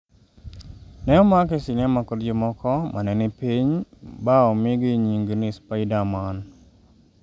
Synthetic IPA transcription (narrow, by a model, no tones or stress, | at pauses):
nɛɔmakesɪnɛmakoɾd͡ʒomɔkʰɔmʔanɛnɪpiɲbaomɪɡɪɲiŋɡnɪspaɪdaman